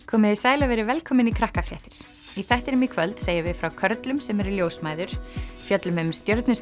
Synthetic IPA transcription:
kʰɔːmɪðɪsaːjlavɛːɾɪvɛlkʰɔːmɪnikʰɾahkafljɛht̪ɪɾ̥ | iθɛht̪ɪɾʏmikʰvœlt̪seːjavɪðfɾawkʰœɾt̪lʏmsɛmɛɾɪljoːwsmaːjðʏɾ̥fjœt̪lʏmʏmst̪jœɾt̪nʏs

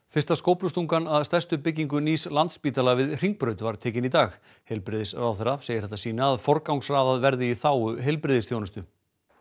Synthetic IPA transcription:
fɪrst̪askoːwpnʏst̪uŋkanaðst̪ɛr̥st̪ʏpɪcːiŋk̬ʏniːslant̪spiːt̪alavɪðr̥iŋk̚pɾœːɥt̪vaɾ̥t̪ʰɛːcɪnit̪aːx | hejlpɾɪðɪsrawθɛɾːaseːjɪɾ̥hɛht̪asiːnaːðfɔɾkawŋsraːðaðvɛɾðɪiθaːwʏɦejlpɾɪðɪsθjownɪst̪ʏ

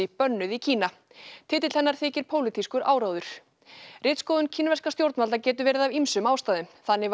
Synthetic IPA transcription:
ɪpœnːʏðicʰiːna | t̪ʰɪːt̪̬ɪl̥hɛnːaɾ̥θɪːcɪɾ̥pʰoːwlɪt̪ʰiskʏɾaːwɾawðʏɾ̥ | rɪːt̪skoːðʏncʰiːnavɛskast̪jowɾt̪nalacɛːt̪ʏɾvɛːɾɪðavimsʏmaːwst̪aːðɪmθanːɪv

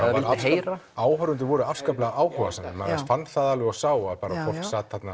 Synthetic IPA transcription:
ɛaaɪlɪeːjɾaaːwhœɾʏnt̪ɪvɔɾʏafskaplaɣʔaːwhœva̰sanːɪmaɛsfant̪θaðalʏasaːwaðpaːɾafɔl̥saːt̪hat̪na

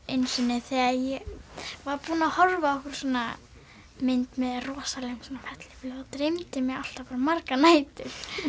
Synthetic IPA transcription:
ejnsɪnɪθɛɣaðjɛvaɾpuːnaːhɔɾvaɔhkʏɾ̥sɔːna̰ | mɪnt̪mɛðrɔːsalɛŋsɔnafɛt̪lɪflat̪ɾejmt̪ɪmɛal̥t̪apaɾamaɾkanaːjt̪ʏ̥

